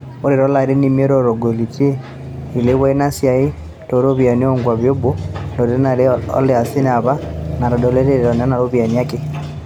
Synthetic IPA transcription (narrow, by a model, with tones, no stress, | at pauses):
o˦ɾe˨ɾo˦la˨ɾi˦ni˦mie˦ɾo˨ɾo˨ɡo˨li˨ti˦e˦ | i˨le˦βwa˦ina˦sja˨i˦ | ɾo˨ɾo˦βja˨ni˦oŋɡwa˨βjo˦bo˦lo˨ɾe˦na˨ɾeɔ̰˦le˦a˨si˦na˨βa˦na˨ɾo˨do˨le˦ɾeɾeɾo˨na˦na˨ɾo˦βja˨nia˦ke˦